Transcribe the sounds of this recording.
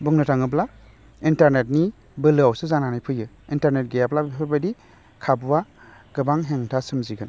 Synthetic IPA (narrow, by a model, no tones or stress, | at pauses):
buŋnɯtʰaŋɯp̬la | intaɾnet̚ni | bɯlɯawsɯzananajpʰɯjɯ | intaɾnet̚ɡejaplabpʰɯɾbadi | kʰabwa | ɡ̥ɯbaŋɦeŋtʰasɯmziɡɯn